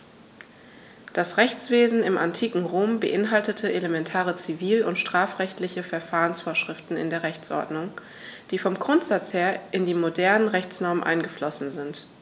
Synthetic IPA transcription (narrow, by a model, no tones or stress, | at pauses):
d̥asʁɛçt͡sv̥eːzn̩ɪmantʰiːkŋ̩ʁoːmbəʔɪnɦaltətʰəelemɛntʰaːʁət͡siviːlʊntʃtʁ̥aːfʁ̥ɛçtlɪçəfɛɐfaːʁənsfoːɐʃʁ̥ɪftn̩ɪ̰ndeːɐʁɛçt͡sʔɔ̰ɐdnʊŋ | d̥iːfɔmɡʁʊntz̥at͡sheːɐʔɪndiːmodɛɐnənʁɛçt͡snɔɐmənʔa̰ɪnɡəflɔsn̩zɪnt